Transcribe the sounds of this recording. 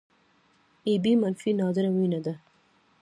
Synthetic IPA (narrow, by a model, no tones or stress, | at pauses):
ibimanfinɑzɪɾawinad̪a